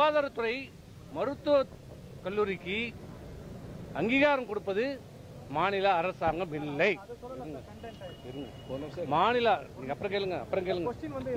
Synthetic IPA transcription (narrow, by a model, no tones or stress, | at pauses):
aːðaːɾɐt̪ːʊɾɐɪ | mɐɾɯt̪ːɯɐ | kɐlːuːɾɪkːɯ | ɐŋɡiːɣaːɾɐmkʊɽɯpːɐðɯ | maːnɪlɐːɾɐsaːŋɡɐʋɪlːɐɪɾɯŋɡɐ | ŋɡɐ | maːnɪlaniːŋɡɐpːɐɾɐ̃keːɭɯŋɡɐɐpːɐɾɐ̃ŋkeːɭɯŋɡɐ